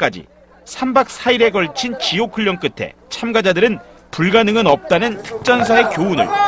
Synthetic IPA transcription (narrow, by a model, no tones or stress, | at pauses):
k͈ad͡ʑḭ | sʰambak̚s͈ʰaiɾe̞ɡʌɭt͡ɕʰint͡ɕiokʰɯʎːʌŋk͈ɯtʰe̞̰t͡ɕʰamɡad͡ʑadɯɾɯn | puɭɡanɯŋɯnʌp̚t͈anɯntʰɯ̥k̚t͡ɕ͈ʌns̬ʰae̞kjounɯ̰ɭ